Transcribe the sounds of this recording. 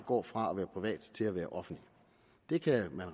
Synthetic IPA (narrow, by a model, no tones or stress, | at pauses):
ɡ̥ɒ̰ːfʁɑ̈ɒʋæːɐpʰʁiʋɛ̰ːd̥t͡sʰe̝læʋæːɐʔɒ̽fn̩d̥li | d̥e̝kʰæmænʁ